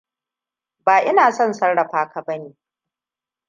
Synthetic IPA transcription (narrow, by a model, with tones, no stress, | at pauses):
baː˨ʔɪ˦naː˨sɔ˦˨nsɐ˦ɽɽɐ˨ɸaː˦ka˨bɐ˦neː˨